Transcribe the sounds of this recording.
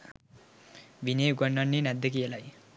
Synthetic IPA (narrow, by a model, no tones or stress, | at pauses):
bʱineɡʌɳːʌnːinad̪ek̬ijalaj